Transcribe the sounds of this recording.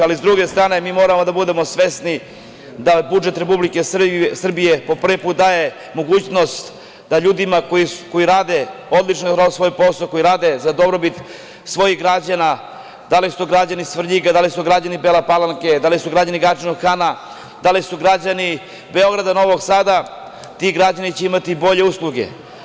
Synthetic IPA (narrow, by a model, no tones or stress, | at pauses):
alizd̪ɾuɡe̞st̪ɾaːne̞miːmo̞ːɾamo̞d̪abud̪e̞mo̞sʋe̞sni | d̪abud͡ʒe̞t̪ɾe̞publike̞ssr̩bije̞po̞pr̩ʋipuːt̪̚d̪aːje̞ | mo̞ɡuːt͡ɕno̞st̪ | d̪aʎuːd̪imakoiko̞jiɾaːd̪e̞o̞d̪lˠit͡ʃnoɾaosʋo̞jpo̞soko̞jiɾaːd̪e̞zad̪o̞bɾobit̪ | sʋo̞jiɣɡɾad͡ʑana | d̪alisuɡɾad͡ʑanisʋr̩ʎiɡad̪alisuɡɾad͡ʑanibelapalˠaŋke̞d̪alisuɡɾad͡ʑaniɡɾat͡ʃinoɡxana | d̪alisuɡɾad͡ʑani | be̞o̞ɡɾad̪ano̞ʋoɡsaːd̪a | t̪iɡɾad͡ʑanit͡ɕeimat̪ibo̞ʎe̞uslˠuɡe̞̰